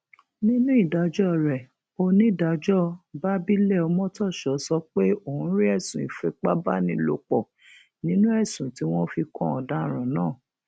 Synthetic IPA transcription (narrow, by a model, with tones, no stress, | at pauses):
nĩ˦nũ˦i˦˨da˨˦d͡ʒɔ˦˨ɾɛ˨ | o˧nĩ˦˨da˧d͡ʒɔ˦ba˦bi˦lɛ˦˨ɔ˧mɔ̃˦tɔ˦˨ʃɔ˨˦sɔ˧˦k͡pe˦o˦˨hũ˦ɾi˦ɛ˦˨sũ˨ḭ˨fɛ˧k͡pa˦ba˦nĩ˧˦lo˧˦k͡pɔ˨ | nĩ˨˦nũ˦ɛ˦˨sũ˨ti˨˦w̃ɔ̃˦fi˧kɔ̃˧ɔ˨dã˨˦˨ɾ̃ã˨nãː˦˨